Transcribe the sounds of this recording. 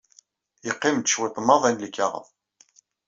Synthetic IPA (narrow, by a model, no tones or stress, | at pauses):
jəqːɪmd̪əʃwɪt̪ˤːmɑðˤænlikːaʁə̰ðˤ